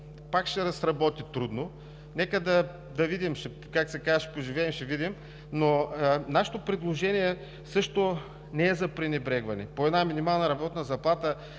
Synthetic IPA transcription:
pakʃɛɾɐsɾɐbɔt̪it̪ɾud̪no | nɛkəd̪ɐ | d̪ɐvid̪imʃɛ | kaksɛkazəʃɛ̥poʒivɛɛmʃɛvid̪im | nonaʃɛ̥t̪opɾɛd̪lˠoʒɛniɛ | sɤʃt̪o | nɛɛzɐpɾinʲɛbɾɛɡvɐnɛpoɛd̪naminimalˠnɐɾɐbɔt̪nɐzɐplˠat̪ə

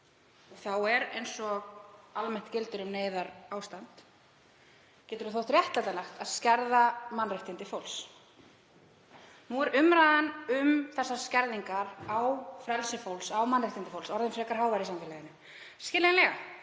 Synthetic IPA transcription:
ɔθawɛɾḛjnsɔɣalmɛn̥t̪cɪlt̪ʏɾʏmneːjðaɾaːwst̪ant̪ | cɛːt̪ʏɾuθowht̪rjɛht̪lat̪anaxt̪aðscɛɾðamanːrɪht̪ɪnt̪ɪfowls | nuɛɾʏmɾaːðanʏmθɛsːḁscɛɾðiŋkaɾawfɾɛlsɪfowlsawmanːrɪht̪ɪnt̪ɪfowlsɔɾðɪnfɾɛːkaɾ̥ɦaːwvajɾɪsamfɪlajɪnʏ | skɪːlenlɛɣa̰

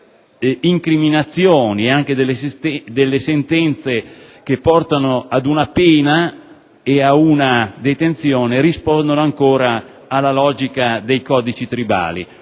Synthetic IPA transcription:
iŋkɾiminat̪sːjoːnieaŋk̟ed̪elːesst̪ɛd̪elːesent̪ɛnt̪sek̟epːɔrt̪anoad̪unapeːna | eaunad̪et̪ent̪sjoːneɾispɔnd̪onoaŋkoːɾaː | lːalɔːd͡ʒikad̪ejkɔːd̪it͡ʃit̪ɾiba̰ːlḭ

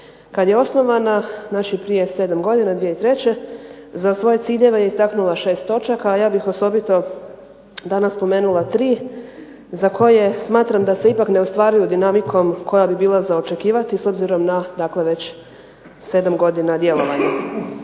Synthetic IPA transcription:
kad̪jeo̞sno̞ʋananat͡ɕipɾije̞se̞ːd̪amɡo̞d̪inad̪ʋijeit̪ɾe̞t͡ɕe̞zasʋo̞je̞t̪siːʎe̞ʋejeist̪aknulˠaʃe̞ːst̪o̞t͡ʃakaːjaːbixo̞so̞bit̪o̞ | d̪anasspo̞meːnulˠat̪ɾiː | zakʰo̞je̞smaːt̪ɾamd̪ase̞ipakne̞ost̪ʋaːɾijud̪inamikʰo̞mkʰo̞jabibiːlˠazaot͡ʃe̞kiːʋat̪iso̞bziɾo̞mnad̪akle̞ʋe̞t͡ɕ | se̞d̪amɡo̞d̪inad̪je̞lo̞ʋaɲa

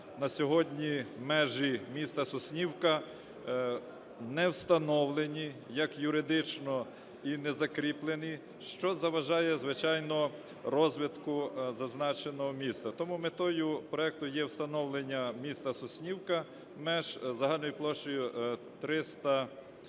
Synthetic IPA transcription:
nɐsʲɔɦɔdʲnʲimɛʒimʲist̪ɐsɔsʲnʲiwkɐ | nɛwst̪ɐnɔwlˠenʲijɐkjʊɾɪd̪ɪt͡ʃnɔ | inɛzɐkɾʲiplˠeni | ʃt͡ʃɔzɐʋɐʒɑjɛzʋɪt͡ʃɑjnɔ | rɔzʲʋʲit̪kʊzɐznɑt͡ʃenɔɦɔmʲist̪ɐt̪ɔmumet̪ɔjʊpɾɔɛk̚t̪ʊjɛwst̪ɐnɔwlˠenʲːɐmʲist̪ɐsɔsʲnʲiwkɐ | mɛʒzɐɦɑlʲnɔjʊplˠɔʃt͡ʃɔjʊt̪ɾɪst̪ɐ

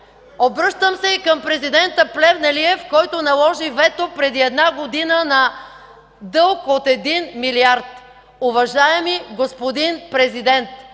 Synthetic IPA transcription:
obɾɤʃt̪əmsɛikəmpɾɛzid̪ɛnt̪əplɛvnɐliɛfkɔjt̪onɐlˠɔʒivɛt̪opɾɛd̪iɛd̪naɡod̪inənɐ | d̪ɤlˠkot̪ɛd̪inmiliaɾt̪ | ʊvɐʒaɛmiɡospod̪inpɾɛzid̪ɛnt̪

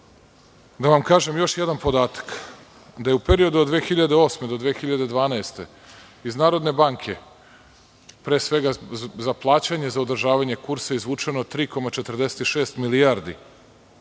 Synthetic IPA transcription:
d̪aʋamkaːʒe̞mjo̞ʃjed̪anpo̞d̪aːt̪ḁk | d̪aje̞upeɾio̞d̪ud̪ʋeːxiʎad̪e̞o̞ːsmed̪o̞d̪ʋeːxiʎad̪e̞d̪ʋaːnaest̪e̞ | iznaːɾo̞d̪ne̞baːŋkʰe̞ | pɾe̞ːsʋe̞ɡazaplˠaːt͡ɕaɲe̞zaod̪r̩ʒaːʋaɲe̞kuɾsaizʋuːt͡ʂenot̪ɾiːko̞mat͡ʃet̪ərd̪ese̥t̪iʃe̞ːst̪milijaɾd̪ḭ

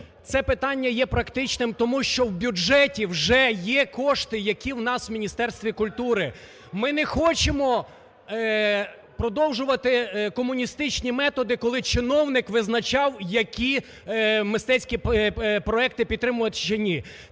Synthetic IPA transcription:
t̪sɛpɪt̪ɑnʲːɐjɛpɾɐkt̪ɪt͡ʃnɪmt̪ɔmuʃt͡ʃɔwbʲʊd͡ʒɛtʲiwʒɛjɛkɔʃt̪ɪjɐkʲiwnɑswmʲinʲist̪ɛrst̪ʋʲikʊlʲt̪uɾɪ | mɪnɛxɔt͡ʃemɔ | pɾɔd̪ɔwʒʊʋɐt̪ɪkɔmʊnʲist̪ɪt͡ʃnʲimɛt̪ɔd̪ɪkɔlˠɪt͡ʃɪnɔwnɪkʋɪznɐt͡ʃɑwjɐkʲi | mɪst̪ɛt͡sʲkʲipɾɔɛk̚t̪ɪpʲid̪t̪ːɾɪmʊjɐt̪ʲʃt͡ʃɐnʲi

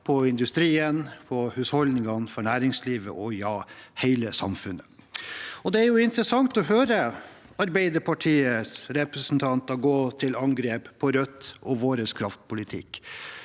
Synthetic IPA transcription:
pʰɔɪnd̪ʉst̪ɾiːənpʰɔhʉshɔld̪ɪŋɑnfɔɳæːɾɪŋsliːʋə̰ʔɔjɑːhæɪləsɑ̰mfʉnə | ɔd̪ɛæɾjʊɪnt̪ɾəsɑŋt̪ɔɦøːɾə | ɑɾbæɪd̪əɾpʰɑʈʰiːəsɾɛpɾəsn̩t̪ʰɑnt̪ɑɡoːt̪ʰɪlɑŋɡɾeːppʰɔɾœt̪ːʔɔʋoːɾəskʰɾɑft̪pʰʊlɪt̪ʰɪ̰kː

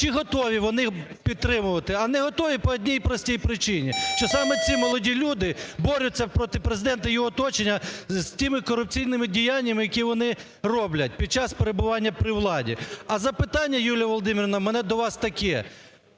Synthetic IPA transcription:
t͡ʃiɦɔt̪ɔʋʲiʋɔnɪpʲid̪̚t̪ɾɪmʊʋɐt̪ɪɐnɛɦɔt̪ɔʋʲipɔːdʲnʲijpɾɔsʲtʲijpɾɪt͡ʃɪnʲiʃt͡ʃɔsɑmɛt͡sʲimɔlˠɔdʲilʲud̪ɪbɔɾʲʊt͡sʲːɐpɾɔt̪ɪpɾezɪd̪ɛnt̪ɐjiɔt̪ɔt͡ʃenʲːɐztʲimɪkɔɾʊp̚t͡sʲijnɪmɪdʲijanʲːɐmɪjɐkʲiʋɔn̪ɪ | rɔblʲɐt̚ʲpʲid̪̚t͡ʃɑspeɾebʊʋɑnʲːɐpɾɪwlˠɑdʲḭɐzɐpɪt̪ɑnʲːɐjulʲijɐʋɔlˠɔd̪ɪmʲɪrnɐmɛnɛd̪ɔʋɑst̪ɐkɛ

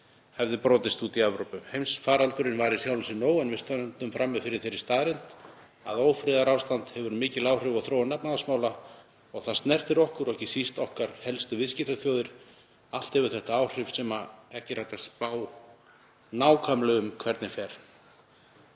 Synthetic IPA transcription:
hɛvðɪpɾɔːt̪ɪst̪uːt̪iavɾowpʏmhejmsfaːɾalt̪ʏɾɪnvaɾisjawlʏsɪnoːwanvɪst̪ant̪ʏmfɾamːɛðfɪɾɪɾ̥θejɾɪɾ̥st̪aːðɾɪnt̪ | aðoːwfɾɪðaɾawst̪ant̪hɛvʏɾmɪːcɪlaːwr̥ɪvaɣθɾoːwanːapnaðasmaːwla | ɔɣθḁst̪nɛr̥t̪ɪɾɔhkʏɾɔɛcɪsist̪ɔhkaɾ̥hɛlst̪ʏvɪscɪht̪aθjoːwðɪɾ̥ | al̥t̪hɛvʏɾ̥θɛht̪aaːwr̥ɪfsɛmaɛhcɪr̥ajt̪aspaːw | naːwkʰamlœɣʏmkʰvɛɾt̪nɪfɛːɾ̥

